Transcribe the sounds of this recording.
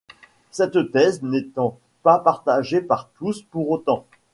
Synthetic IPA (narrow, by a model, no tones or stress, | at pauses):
sɛt̪t̪ɛznɛt̪ɑ̃ | papaʁt̪aʒepaʁt̪uspuʁot̪ɑ̃